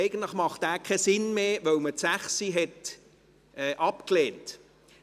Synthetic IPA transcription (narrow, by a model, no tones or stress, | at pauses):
ɛɪɡəntləχmɑχtæːkʰɛsɪnmeːʋœwmətsæχsiɦɛt | ʔɛːʔɑpkleːnt